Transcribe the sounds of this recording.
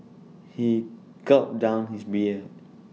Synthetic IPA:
hi | ɡɔp̚dãʊ̃nhisbiə

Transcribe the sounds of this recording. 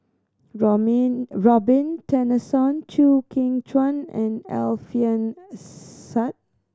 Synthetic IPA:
ɹɔbĩntɛnəsɔ̃nt͡ʃʰukʰĩŋt͡ʃwãnɛ̰̃nɛ̰lfiə̃n | sat̚

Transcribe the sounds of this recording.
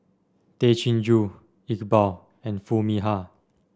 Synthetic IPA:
t̪et͡ʃʰĩnd͡ʒu | ikbaw | ɛ̃nfumiɦa

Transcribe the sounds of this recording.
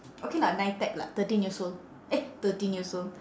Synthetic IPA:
ʔokelanãjtɛk̚la̰t̪ətĩnjisol | ʔet̪ətĩnjisol

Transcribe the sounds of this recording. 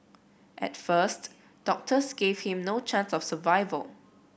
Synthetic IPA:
ʔɛ̰tfəst | d̥ɔk̚tʰəsɡev̥hĩmnot͡ʃãnsɔfsəvaɪvə̰l

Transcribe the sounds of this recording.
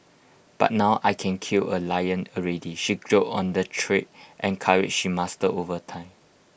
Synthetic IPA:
b̥a̰t̚naʊʔajkʰɛ̃nkʰiləlajə̃nəɹediʃiɡɹoʔɔ̃ndətʰɹit̚ʔɛ̃nkʰaɹḭt̚ʃimastəʔovətʰãɪ̃m

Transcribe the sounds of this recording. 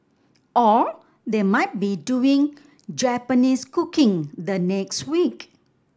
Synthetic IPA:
ʔɔ | d̪emaɪt̚biduĩŋ | d͡ʒɛpəniskukɪ̃ŋd̪ənɛkswik

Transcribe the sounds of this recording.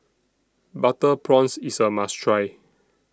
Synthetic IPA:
batəpʰɹɔ̃nsisəmastɹaj

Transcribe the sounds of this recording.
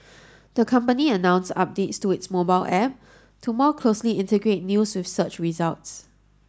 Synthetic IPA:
d̪̥əkʰãmpəniənãʊ̃nsa̰p̚detstuɪtsmobaɪlʔɛp̚ | tʰumɔkʰlosliɪ̃ntəɡɹet̚njuswɪfsət͡ʃɹizalts

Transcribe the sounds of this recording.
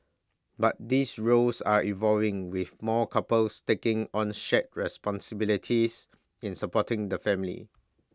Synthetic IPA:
bat̚disɹolsaivɔlvɪ̃ŋwiθmɔkʰapəlstekɪ̃ŋɔ̃nʃɛt̚ɹɛspɔ̃nsəbilitʰis | ĩnsəpɔtɪ̃ŋdəfɛ̃mlḭ

